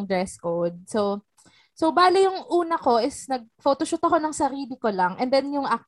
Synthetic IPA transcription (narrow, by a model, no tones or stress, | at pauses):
ŋd̪ɹɛskowd̪̚so | sobaːlɪjʊŋʔuːnɐko̞ʔɪsnɐɡ̚foːt̪oʃʊt̪ɐko̞nɐŋsɐɾiːlɪko̞lɐŋʔɛnd̪ɛnjʊŋʔak̚